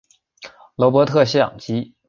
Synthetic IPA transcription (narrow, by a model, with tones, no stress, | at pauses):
lɔ˧˥p̬wɔ˧˥t̪ʰɤ˥˧ɕ̬jɑ̰˥˩ŋt͡ɕi˧˥